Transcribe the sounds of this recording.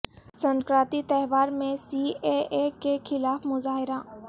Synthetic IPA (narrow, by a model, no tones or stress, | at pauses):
sə̃ŋkɾaːt̪it̪ɛɦʋaːɾmẽsiːeekexʰɪlaːfmʊzaːɦɪɾaː